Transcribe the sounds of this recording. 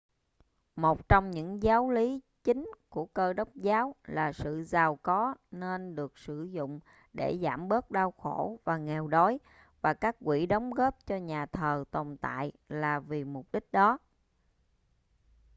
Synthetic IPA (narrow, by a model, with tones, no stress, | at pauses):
mo˨˩t̚t͡ɕɔ˧wŋ͡mɲɨ̰˧˥ŋzaː˨˦wli˨˦ | t͡ɕï˨˦ŋ̟ku˧˩əkəː˧ɗə˦˥wk͡p̚zaː˨˦wlaː˨˩sɨ̰˧˨zaː˨˩wkɔ˨˦ne˧nɗɨ˨˩ək̚sɨ˧˩zʊ̰˧˨ŋ͡m | ɗe˧˩zaː˧˩mɓə˦˥k̚ɗaː˧wxo˧˩vaː˨˩ŋɛ˨˩wɗo˨˦j | vaː˨˩kaː˦˥k̚kwi˧˩ɗə˨˦wŋ͡mɣəː˦˥p̚t͡ɕɔ˧ɲaː˨˩t̪ʰəː˨˩t̪ə˨˩wŋ͡mt̪a̰ː˧˨j | laː˨˩vi˨˩mʊ˨˩k͡p̚ɗï˦˥k̟̚ɗɔ˨˦